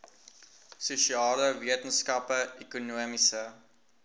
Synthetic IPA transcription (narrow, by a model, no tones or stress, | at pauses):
suʃiɑːləviətənskɐpəekunuəmisə